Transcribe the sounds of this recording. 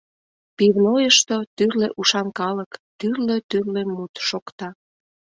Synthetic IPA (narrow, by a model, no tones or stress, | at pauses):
piβnojəʃt̪ot̪yrleʔuʃɑmkɑləkt̪yrløt̪yrlemmut̪ʃokt̪ɑ